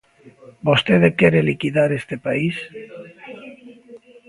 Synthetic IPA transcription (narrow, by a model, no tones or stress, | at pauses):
bost̪eðekeɾelikiðaɾest̪epais